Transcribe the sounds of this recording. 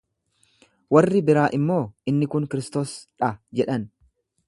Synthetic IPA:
wɐrːɪbɪɾaːʔɪmːo̞ːɪnːɪkʊŋkɪɾɪst̪o̞ːsᶑɐd͡ʒɛᶑɐn

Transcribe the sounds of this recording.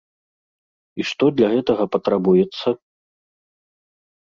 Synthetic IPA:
iʂt̪ɔd̪lʲaɣɛt̪ɐɣɐpɐt̪ɾabujɛt̪sːɐ

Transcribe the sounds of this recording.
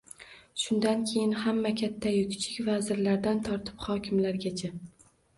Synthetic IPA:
ʃʊnd̪ankʲʰe̞jɪnhamːakʲʰat̪ʰːajʊkʲt͡ʃʰɪ̥kʲvazɪɾlaɾd̪ant̪ʰɒɾt̪ʰɪ̥phɒkʲɪmlaɾɡʲat͡ʃʰa

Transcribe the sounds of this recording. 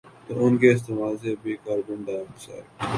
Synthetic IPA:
t̪oːʊnkeːs̬t̪emaːlseːbʱiːkaːɾbʊɳɖaːmsa̰ː

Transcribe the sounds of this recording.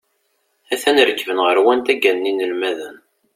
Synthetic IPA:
æθænəɾəkːəvənʁəɾwænt̪æɡænːinəlmæðən

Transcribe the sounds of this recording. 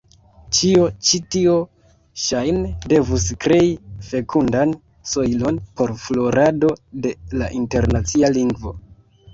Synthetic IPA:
t͡ʃio̞t͡ʃitio | ʃajnede̞vuskɾe̞ife̞kʰundan | so̞jlo̞npo̞ɾflo̞ɾado̞de̞laʔinte̞ɾnat͡sialiŋɡvo̞̰

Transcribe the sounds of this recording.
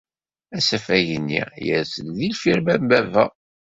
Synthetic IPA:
æsæfæʝənːḭjəɾsəlðilfiɾbæmbævæ

